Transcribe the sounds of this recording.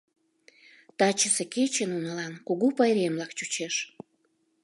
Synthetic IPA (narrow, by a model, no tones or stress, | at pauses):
t̪ɑt͡ɕəseket͡ɕənunəlɑnkuɣupɑjɾemlɑkt͡ɕut͡ɕeʃ